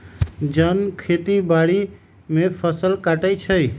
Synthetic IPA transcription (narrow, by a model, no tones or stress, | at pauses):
d͡ʒənkʰet̪ibaɽi | mepʰəsəlkaʈət͡ʃʰəj